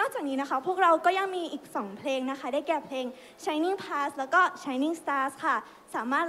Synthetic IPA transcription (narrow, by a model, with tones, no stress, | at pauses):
nɔː˥˩k̚t͡ɕaː˨˩k̚niː˦˥na˦˥kʰa˦˥pʰu˥˩ək̚ɾa˧wkɔː˥˩ja˧ŋmiː˧ʔiː˨˩k̚sɔː˩˦ŋpʰleː˧ŋna˦˥kʰa˦˥daː˥˩jkɛː˨˩pʰleː˧ŋ | t͡ɕʰa˦˥jni˥˩ŋpʰlaː˦˥slɛː˦˥wkɔː˥˩t͡ɕʰa˦˥jni˥˩ŋst̪aː˧˥skʰa˥˩ | saː˩˦maː˥˩t̪